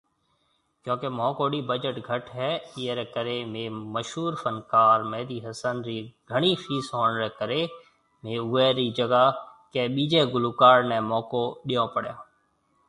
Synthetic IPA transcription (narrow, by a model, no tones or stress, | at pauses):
kjõːkemɔ̃ːkoːɗiːbəd͡ʒəʈɡʱəʈʰɦɛːiːeɾɛːkəɾeːmẽːməʃɦuːɾfənkaːɾmɛːd̪iːɦəsənɾiːɡʱəɳiːfʰiːsɦoːnɾɛːkəɾeː | mẽːʊːeːɾiːd͡ʒəɡaːkeːɓiːd͡ʒeːɡʊluːkaːɾnɛ̃ːmɔːkoːɗijõːpəɽjaː